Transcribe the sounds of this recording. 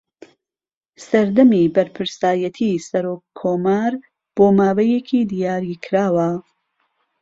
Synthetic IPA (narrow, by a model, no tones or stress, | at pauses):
sɐɾd̪ɐmiːbɐɾpʰɨɾsaːjɐt̪ʰisɐɾoːkʰːoːmaːɾ | b̥oːmaːwɐjekʰiːd̪ijaːɾikʰɾaːwɐ